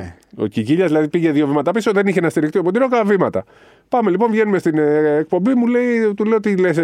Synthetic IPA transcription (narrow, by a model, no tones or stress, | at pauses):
o̞̰ciciʎɐzðilɐðipiʝe̞ðio̞vimɐt̪ɐpisoðeniçenɐst̪iɾikt̪iopot̪inokɐvimɐt̪ɐ̰ | pɐme̞lipo̞ɱvʝe̞numest̪inːk̚pombimule̞it̪uleot̪iles